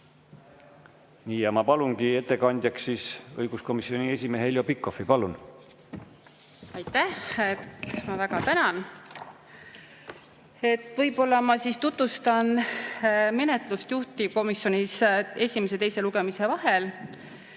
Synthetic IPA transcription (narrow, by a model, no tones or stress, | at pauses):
niːjɑmɑpɑlunɡie̞t̪ːˑe̞kɑnʲd̪̥ʲjɑksːiːsɤ̰jɡ̥usko̞misio̞nʲie̞sʲimeheljopikːo̞fipɑlun | ɑjt̪ːˑæhet̪mɑvæɡ̥ɑt̪ænɑn | e̞t̪ːˑvɤjbo̞lːɑmɑsist̪ut̪vust̪ɑn | me̞ne̞t̪lust̪juht̪iko̞misjo̞nise̞sʲime̞se̞t̪e̞jse̞luɡe̞mise̞vɑɦe̞l